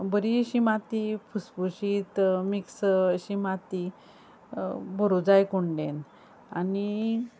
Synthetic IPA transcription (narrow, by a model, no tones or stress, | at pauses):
bəɾiɕimat̪ipʰuspuɕit̪miksɕimat̪i | bəɾud͡zajkoɳɖẽn | ani